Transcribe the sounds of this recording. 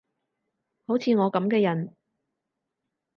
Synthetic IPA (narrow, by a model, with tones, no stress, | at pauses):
ho˨˥wt͡sʰiː˨˧ŋɔː˨˧kɐ˨˥mkɛː˧jɐ˨˩n